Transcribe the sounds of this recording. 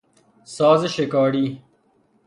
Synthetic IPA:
saːzeɕekaːɽiː

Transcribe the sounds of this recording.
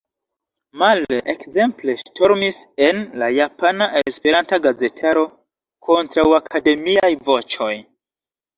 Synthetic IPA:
maleʔekze̞mple̞ʃtʰo̞ɾmise̞nlajapanaʔespe̞ɾantaɡaze̞tʰaɾo̞ | kʰo̞ntɾawakʰade̞miajvo̞t͡ʃo̞j

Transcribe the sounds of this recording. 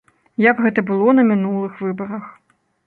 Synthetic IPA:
jɐɡɣɛt̪ɐbɨlˠɔnɐmʲinulˠɨxvɨbɐɾɐx

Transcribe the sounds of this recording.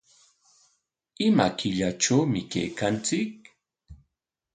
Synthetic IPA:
ɪmakɪʎaʈ͡ʂawmɪkḛjkant͡sɪk̚

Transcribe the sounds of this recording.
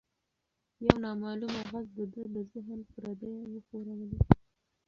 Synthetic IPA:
jawnɑmɑlumaɣazd̪əd̪əd̪əzɪɦənpəɾad̪ewəxoɾawli

